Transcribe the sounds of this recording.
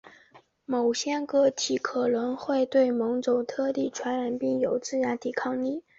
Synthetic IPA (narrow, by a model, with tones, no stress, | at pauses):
mo˨˩ʊɕjɛ˥kɤ˧˥˩t̪ʰi˨˩kʰɤ˨˩lə˧˥ŋxwe˥˧ɪt̪we˥˩ɪmɤ˧˥ŋt͡so˨˩ʊt̪ʰɤ˥˧t̪i˥˩ʈ͡ʂʰwa˧˥nɥa˨˩npi˥˩ŋjo˨˩ʊt͡sɹ̩˥ja˧˥t̪i˨˩kʰɑ˥˧ŋni˥˩